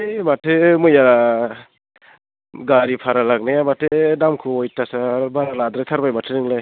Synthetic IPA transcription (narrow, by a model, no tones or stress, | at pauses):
matʰemɯjaɾa | ɡaɾipʰaɾalaɡnajamatʰedamkʰuɔjtasabaɾalad̪ɾat̪ʰaɾbajmatʰeɾɯŋlaj